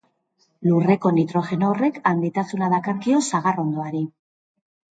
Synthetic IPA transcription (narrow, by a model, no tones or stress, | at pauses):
lure̞ko̞nit̪ɾo̞xe̞noːre̞kand̪it̪asunaðakaɾkio̞saɣaro̞nd̪o̞aɾi